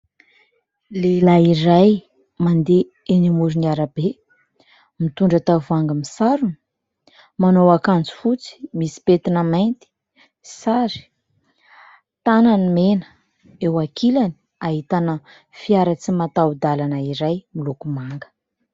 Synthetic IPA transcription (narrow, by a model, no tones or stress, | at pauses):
lelaiɾaj | mand̪e | enimuɾiniaɾabe | mit̪uɳɖ͡ʐət̪avaŋɡəmisaɾuni̥ | manowakand͡zu̥fut͡si̥misi̥pet̪inəment̪i̥ | saɾi̥ | t̪ananimenə̥ | ewakʰilani̥ | aɦit̪anə | fiaɾət͡simat̪awud̪alanəiɾajmilukumaŋɡə̥